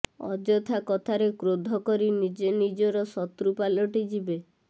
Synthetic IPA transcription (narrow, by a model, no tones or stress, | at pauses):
ɔ̰d͡ʒɔt̪ʰakɔt̪ʰaɾekɾod̪ʱɔkɔɾinid͡ʒenid͡ʒɔɾɔsɔt̪ɾupalɔʈid͡ʒibe